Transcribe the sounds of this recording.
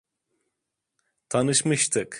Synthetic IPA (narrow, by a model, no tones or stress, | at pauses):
t̪ʰanɯʃmɯʃt̪ʰɯk